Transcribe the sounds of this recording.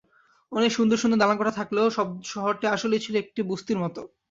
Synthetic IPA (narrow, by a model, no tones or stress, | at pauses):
ɔnekʃund̪oɾʃund̪oɾd̪alankɔʈʰat̪ʰakloʃɔbʃɔɦoɾʈiaʃolet͡ɕʰiloek̚ʈibust̪iɾmɔt̪o